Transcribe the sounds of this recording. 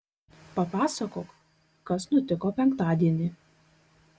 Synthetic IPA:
pɐpɑːsɐkoːk | kɐsnʊt̪ʲɪkoːpʲɛŋkt̪ɑːd̪ʲiɛnʲɪ

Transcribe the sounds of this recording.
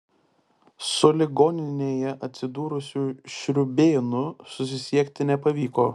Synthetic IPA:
sʊlʲɪɡoːnʲɪnʲeːjɛʔɐt̪ʲsʲɪd̪uːɾʊsʲuːʃʲɾʲʊbʲeːnʊsʊs̬ʲɪsʲiɛkʲt̪ʲɪnʲɛpɐʋʲiːkoː

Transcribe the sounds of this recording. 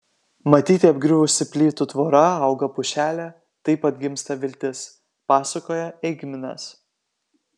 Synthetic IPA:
mɐt̪ʲiːt̪ʲɪɐbʲɡɾʲʊʋʊʃʲsʲɪpʲlʲiːt̪ut̪ʋoːɾɐɐʊɡɐpʊʃʲæːlʲæ | t̪ɐɪpɐt̪ʲɡʲɪmst̪ɐʋʲɪlʲt̪ʲɪs | pɑːsɐkoːjɛɛɪɡʲmʲɪnɐ̰s

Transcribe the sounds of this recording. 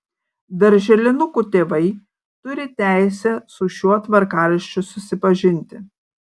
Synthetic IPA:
d̪ɐɾʲʒʲɛlʲɪnʊkut̪ʲeːʋɐɪ | t̪ʊɾʲɪt̪ʲæˑɪsʲɛsʊʃʲuɔt̪ʋɐɾkɑːɾʲɪʃʲt͡ʃʲʊsʊsʲɪpɐʒʲɪnʲt̪ʲɪ

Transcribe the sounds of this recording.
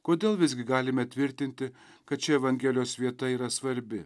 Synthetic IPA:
koːd̪ʲeːlˠʋʲɪzʲɡʲɪɡɑːlʲɪmʲɛt̪ʲʋʲɪɾʲt̪ʲɪnʲt̪ʲɪ | kɐt̪̚t͡ʃʲɛɛʋɐŋʲɡʲɛːlʲɪjoːsʋʲiɛt̪ɐiːɾɐsʋɐɾʲbʲɪ

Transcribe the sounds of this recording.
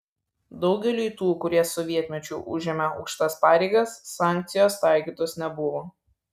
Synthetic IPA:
d̪ɒʊɡʲɛlʲuːt̪uːkʊɾʲiɛsɔʋʲiɛt̪ʲmʲɛt͡ʃʲʊʔʊʒʲɛmʲɛɐʊkʃʲt̪ɐspɑːɾʲɛɪɡɐsːɑˑŋʲk̚t̪sʲɪjoːst̪ɑˑɪkʲiːt̪oːsnʲɛbʊʋoː

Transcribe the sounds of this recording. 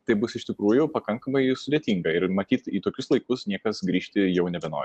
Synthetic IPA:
t̪ɐɪbʊsɪʃʲt̪ʲɪkɾuːjʊpɐkɐŋkɐmɐɪsʊd̪ʲeːt̪ʲiːŋɡɐɪɾmɐt̪ʲiːt̪iːt̪oːkʲʊslˠɐɪkʊsnʲiɛkɐsɡɾʲiːʃʲt̪ʲɪjɛʊnʲɛbʲɛno̰ːɾʲ

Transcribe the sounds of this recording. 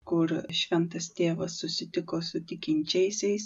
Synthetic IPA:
kʊɾʃʲʋʲɛnt̪ɐst̪ʲeːʋɐsʊsʲɪt̪ʲɪkoːsʊt̪ʲɪkʲɪnʲt͡ʃʲɛɪsʲɛɪs

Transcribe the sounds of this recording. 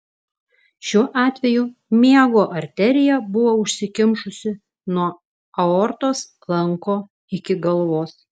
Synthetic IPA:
ʃʲuɔʔɑːt̪ʲʋʲɛjumʲiɛɡoːʔɐɾʲt̪ʲɛɾʲɪjɛbʊʋoːʊʃʲsʲɪkʲɪmʃʊsʲɪ | nuɔ | ɐɔɾt̪oːs | lˠɐŋkoː | ɪkʲɪɡɐlˠʋoːs

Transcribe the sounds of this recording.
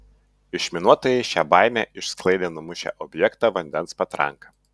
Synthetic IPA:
ɪʃʲmʲɪnuɔt̪oːjɛɪʃʲæːbɑˑɪmʲæːʔɪʃsklˠɐɪd̪ʲeːnɔmʊʃʲɛ̰ʔɔbʲjɛkt̪ɑʋɐnʲd̪ʲɛnspɐt̪ɾɐ̰ŋkɐ

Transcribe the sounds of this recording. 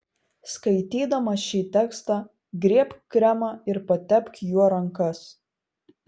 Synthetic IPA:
skɐɪt̪ʲiːd̪ɐmɐʃʲiːt̪ʲɛkst̪ɑː | ɡɾʲiɛpʲkɾʲæmɐɪɾpɐt̪ʲɛpʲkʲjuɔɾɐŋkɐs

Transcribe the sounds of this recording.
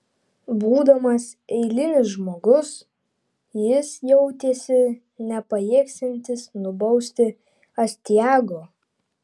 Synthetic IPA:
buːd̪ɐmɐsɛɪlʲɪnʲɪsʒmoːɡʊs | jɪsjɛʊt̪ʲeːsʲɪ | nʲɛpɐjiːksʲɛnʲt̪ʲɪsnʊbɐʊsʲt̪ʲɪ | ɐsʲt̪ʲjæːɡoː

